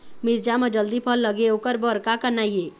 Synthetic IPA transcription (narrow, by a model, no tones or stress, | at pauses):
miɾd͡ʒamed͡ʒəld̪ipʰəlːəɡeokəɾbəɾkakənaije